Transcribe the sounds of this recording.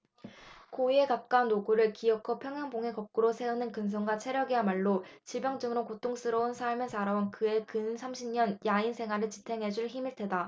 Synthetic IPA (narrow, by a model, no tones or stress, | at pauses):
koie̞kap̚k͈aunːoɡuɾɯɭkiʌkʰʌpʰjʌŋjaŋboŋɦe̞kʌp̚k͈uɾosʰe̞unɯnkɯns̬ʰʌŋɡwat͡ɕʰe̞ɾjʌɡiamaɭːot͡ɕiɭbjʌŋd͡ʑɯŋɯɾokotʰoŋs͈ɯɾʌunsʰaɭmɯsaɾaunkɯe̞kɯnsʰamɕʰimɲʌnjainsʰe̞ŋɦaɾɯɭt͡ɕitʰe̞ŋɦe̞d͡ʑuɭçimiɭtʰwe̞da